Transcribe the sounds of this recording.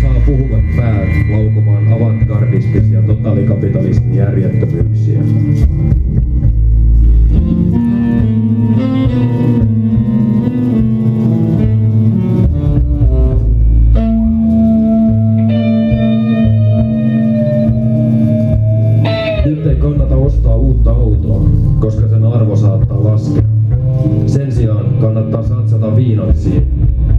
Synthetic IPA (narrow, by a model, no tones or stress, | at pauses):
sɑːpuhuʋɑp̪pæːɑlkomɑːnɑʋɑk̪ːɑrkist̪isiɑt̪ot̪ɑːlikɑpit̪ɑlist̪ijærjet̪ːømyːksiæ̰si | nyt̪ːejkɑnːɑt̪ɑo̞st̪ɑːuːt̪ːɑowt̪oɑko̞skɑsenɑrʋosɑːt̪ːɑlɑske | se̞nsiɑːnkɑnːɑt̪ːɑːsɑt̪sɑt̪ɑʋʋiːnosḭe